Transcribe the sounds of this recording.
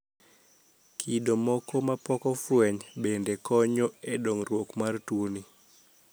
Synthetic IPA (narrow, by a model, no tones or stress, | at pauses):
kʰidomɔkɔmapɔkɔfwɛɲbendekɔɲɔedoŋrwokmartwoni